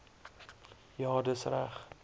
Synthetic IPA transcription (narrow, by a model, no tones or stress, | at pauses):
jɑːdəsræχ